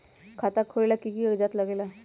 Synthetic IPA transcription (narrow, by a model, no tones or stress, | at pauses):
kʰat̪akʰoɭelakikiəɡd͡ʒat̪ləɡela